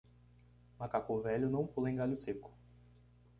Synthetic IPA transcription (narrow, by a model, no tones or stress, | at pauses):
makakovɛʎʊnɐ̃w̃polẽj̃ɡaʎʊsekʊ̥